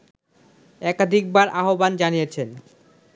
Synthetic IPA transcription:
ɛkad̪ʱik̚baɾʔaɦoband͡ʑanijet͡ɕʰen

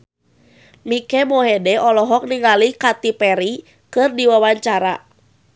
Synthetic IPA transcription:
mikɛmoɦɛdɛɔlɔɦɔk̚niŋalikat̪ipɛɾi | kɨrdiwawaɲt͡ʃaɾa̰

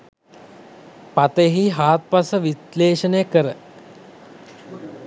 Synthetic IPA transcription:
pat̪əɦiɦaːt̪̚pasəʋisleːʃənəjəkəɾə

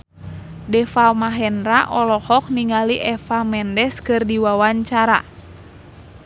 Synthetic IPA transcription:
dɛfamaɦɛnraʔɔlɔhɔk̚niŋaliʔɛfamɛndɛskɨrdiwawaɲt͡ʃaɾa̰

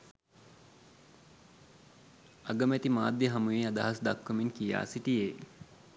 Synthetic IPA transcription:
ɐɡəmæt̪imaːd̪jəɦɐmujeːad̪aɦasd̪akːəminkija̰ːsiʈijeː

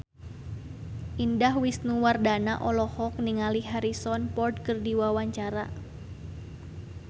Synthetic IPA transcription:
ʔindahwisnuwardanaʔɔlɔhɔk̚niŋaliɦaɾisɔnpɔrdkɨrdiwawaɲt͡ʃaɾa

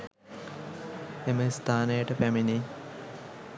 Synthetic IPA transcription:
eməst̪ʰaːnejəʈəpæmini

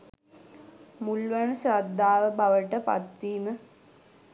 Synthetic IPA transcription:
mulʋanəsɾad̪ʱːaːʋəbaʋəʈəpa̰t̪ʋiːmə

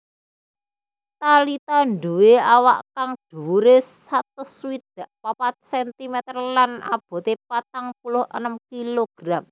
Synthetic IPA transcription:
t̪alit̪aɳɖuweawaʔkaŋɖ̥uɾes | at̪ʊswid̪̥a̤ʔpapat̪̚sɛnt̪imɛt̪ərlana̰b̥ɔ̤t̪epat̪aŋpulʊhʔə̰nəmkiloɡ̥ɾam

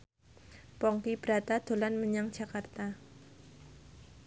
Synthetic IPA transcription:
pɔŋkib̥ɾat̪ad̪̥o̤lanməɲaŋd͡ʒ̥a̤kart̪a

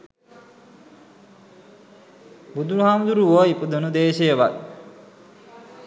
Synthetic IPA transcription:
bud̪uɾuɦaːmd̪uɾuʋəipud̪unud̪eːʃejəʋat̪̚

